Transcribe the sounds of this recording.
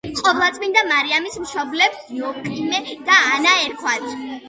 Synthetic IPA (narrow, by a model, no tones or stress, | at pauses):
qʼɔplˠat̪sʼmind̪amaɾiamismʃɔblɛbsd̪̥iɔkʼimɛd̪̥aːnaɛɾkʰwat̪ʰ